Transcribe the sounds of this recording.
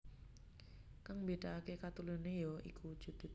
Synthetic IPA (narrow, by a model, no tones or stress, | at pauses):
kaŋmbeɖ̥aakekat̪ulunejɔḭkʰud̥ʒ̥ṳd̪̥u